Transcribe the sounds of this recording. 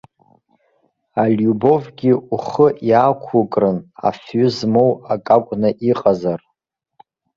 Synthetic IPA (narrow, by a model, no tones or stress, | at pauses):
alʲjubo̞vɡʲiuχəʔjaːkʷʰukʼrɨna̰fɥʊzmo̞wakʼakʷʼnɨʔiqʼazar